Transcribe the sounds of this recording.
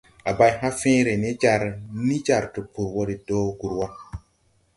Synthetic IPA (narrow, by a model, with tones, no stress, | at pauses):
a˨ba˨jha˦fẽ˦ɾe˨ne˦d͡ʒa˨ɾni˦d͡ʒa˨ɾtu˨pu˨ɾwo˦ɾi˨do˦ɡu˨ɾwa˦